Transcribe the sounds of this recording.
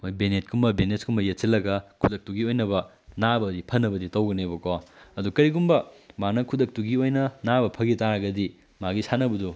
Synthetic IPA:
ojbenet̚kʰumbɐbeneskʰumbɐjet̚silːɐɡɐkʰudɐk̚tuɡiojnɐbɐ | nabɐdipʰɐnːɐbɐditɐwɡɐnebɐkoɐdukɐɾiɡumbɐmanɐkʰudɐk̚tuɡiojnɐnabɐpʰɐɡitaɾɐɡɐdi | maɡisanɐbɐdu

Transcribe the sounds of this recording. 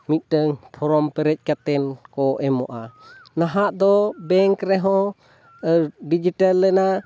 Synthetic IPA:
mit̪̚ˀdəŋpʰɔɾɔmpɛɾɛc̚ˀkat̪ɛnkɔʔɛmɔ̰ʔanaɦaʔd̪ɔbɛŋkɾɛɦɔ̃ | ɖid͡ʒiʈalːɛna

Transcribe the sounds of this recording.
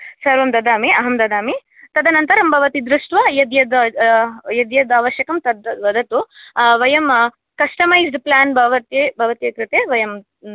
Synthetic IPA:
sɐɾʋɐmd̪ɐd̪ʱaːmiɐɦɐmd̪ɐd̪ʱaːmi | t̪ɐd̪ʱɐnɐnt̪ɐɾɐmbʱɐʋɐt̪id̪ɾuʂʈʋɐjɐd̪jɐd̪ɐ | jɐd̪jɐd̪aːʋɐʃjɐkɐmt̪ɐd̪ʋɐd̪ʱɐt̪uʋɐjɐm | kɐsʈɐmɐjzɖplaːnbʱɐʋɐt̪jebʱɐʋɐt̪jɐk̪ɾɨt̪eːʋɐjɐm

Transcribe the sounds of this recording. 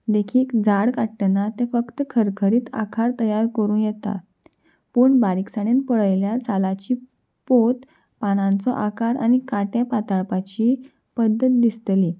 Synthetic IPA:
d̪ekʰiːkd͡zaɽkaʈʈːnat̪efəkt̪əkʰəɾkʰəɾiːt̪a̰kʰaɾt̪əjaɾkəɾuːnjɛt̪a̰ | puːɳbaɾiksaɽ̃enpəɭəjljaɾt͡sʰalat͡ɕiː | pot̪ | pañãnt͡sɔʔakaɾa̰ñikaʈjapat̪aɭpat͡ɕiː | pəd̪ːət̪̚d̪ist̪liː

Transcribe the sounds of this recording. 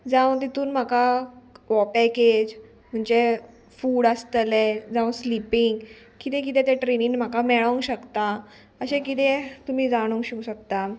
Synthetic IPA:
d͡zãʋt̪̬it̪uːnm̤akaʋɔpɛked͡ʑ | m̤əɳd͡ʑe | fuːɽəst̪led͡zãʋslipiŋɡ | kit̪ɛ̃k̬it̪ɛ̃t̪eʈɾeniːnm̤akamɛɭãŋɡɕəkt̪a | əɕẽkit̪̬et̪um̤iːd͡zaɽ̃uŋɡkɕiuɕək̚t̪a

